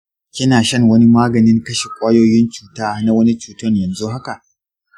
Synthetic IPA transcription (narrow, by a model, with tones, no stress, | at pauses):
kʲɪ˦naː˨ʃɐ˦˨ŋwɐ˦ni˦maː˦ɡɐ˨nɪ˦ŋkɐ˦ʃe˨kʷʼaː˦joː˦jɪ˦nt͡ʃu̥ː˦taː˦na˦wɐ˦ni˦t͡ʃuː˨tʊ˦ɲjɐ˨nzu˦ɦa˦ka˨ʔ